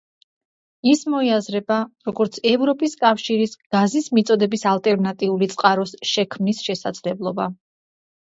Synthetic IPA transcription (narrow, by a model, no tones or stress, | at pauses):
ismɔiazɾɛbaɾɔɡɔɾt̪sʰɛvɾɔpʼiskʼafʃiɾisɡ̥azismit̪sʼɔd̪ɛbisalˠt̪ʼɛɾnat̪ʼiulit̪sʼqʼaɾɔsʃɛkʰmnisʃɛsa̰d̪z̥lɛblˠɔba̰